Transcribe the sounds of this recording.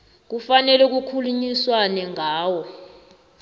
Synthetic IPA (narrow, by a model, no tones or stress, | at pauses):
k̬ufanɛluk̬ukʰuluɲiswanɛŋʱaːwɔ